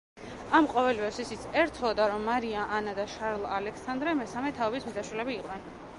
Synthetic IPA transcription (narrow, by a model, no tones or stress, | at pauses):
amqʼɔvɛlivɛsisit̪sʰɛɾt̪ʰɔd̪aɾɔmːaɾiaʔanad̪aʃaɾlˠalɛksand̪ɾɛmɛsamɛt̪ʰaɔbismizaʃwilɛbiːqʼnɛn